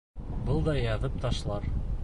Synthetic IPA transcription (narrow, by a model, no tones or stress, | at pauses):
bɤlˠd̪ɑjɑðɤp̚t̪ɑʃlˠɑɾ